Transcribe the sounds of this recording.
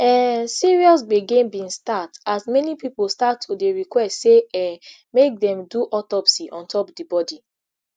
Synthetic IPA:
ɛsiɹiɔsɡ͡beɡẽnbĩnstatasmɛnipipolstatʰːodeɹikwɛstseɛ | mek̚dɛ̃mduʔɔtɔpsiʔɔ̃ntʰɔpdibɔdi

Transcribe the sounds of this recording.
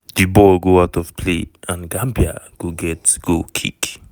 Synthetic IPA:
dibɔlɡoaʊtɔv̥pʰlḛãnɡãmbia̰ɡ̥oɡɛtɡ̥okʰḭk

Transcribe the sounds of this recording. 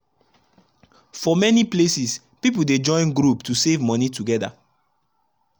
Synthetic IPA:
fɔmɛniplesis | pipulded͡ʒɔ̃ɪ̃nɡɾuptusevmɔnituɡɛda̰

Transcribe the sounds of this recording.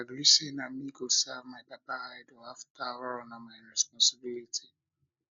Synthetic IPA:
aɡɾisenamiɡosɛvmaɪpapahaɪdoaftawɛɾnamajɹɛspɔ̃nsɪbilitʰi

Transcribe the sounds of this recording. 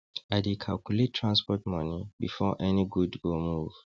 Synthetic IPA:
aɪdekʰalkjulettʰːɹãnspɔtmɔ̃nĩbḭfɔʔɛniɡudɡomuv̥

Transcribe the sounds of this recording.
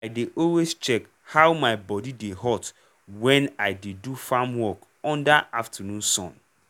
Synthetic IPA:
aɪdeʔɔlwest͡ʃɛk | hawmaɪbɔdideɦɔt | wɛ̃naɪdedufamwɔk | ɔ̃ndaʔaftʰanũnsɔ̰̃n

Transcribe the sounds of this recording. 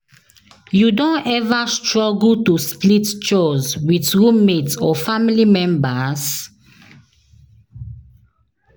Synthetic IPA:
judõnɛvastɹɔɡltusplitt͡ʃɔzwiθɹũmːetsɔfamilimɛ̃mbaz

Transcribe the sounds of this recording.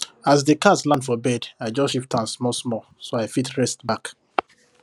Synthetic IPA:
azdekaslãndfɔbɛdaɪd͡ʒɔsʃiftãnsmɔsmɔ | soaɪfitʰɹɛstbak

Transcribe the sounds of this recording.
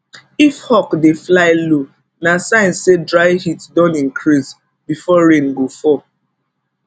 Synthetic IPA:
ifhɔkdeflaɪlo | nasãɪ̃nsedɹaɪhitdɔ̃nĩŋ̩kʰɾiz | bifɔɹẽnɡofɔ

